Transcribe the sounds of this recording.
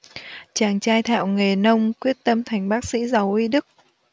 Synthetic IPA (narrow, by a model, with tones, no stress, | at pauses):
t͡ɕaː˨˩ŋt͡ɕaː˧jt̪ʰa̰ː˧˨wŋe˨˩nə˧wŋ͡mkwi˦˥ət̚t̪ə˧mt̪ʰa˨˩jŋ̟ɓaː˦˥k̚sḭ˧˥za˨˩wʔi˧ɗɨ˦˥k̚